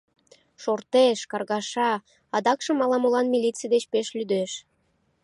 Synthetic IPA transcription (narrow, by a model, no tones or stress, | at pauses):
ʃort̪eʃkɑrɣɑʃɑ | ɑd̪ɑkʃɤ̆mɑlɑmulɑnmilʲit͡sijd̪et͡ɕpeʃlyd̪eʃ